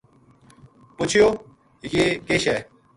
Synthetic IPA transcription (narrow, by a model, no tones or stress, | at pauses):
pʊt͡ɕʰijoː | jeːkeːɕɛː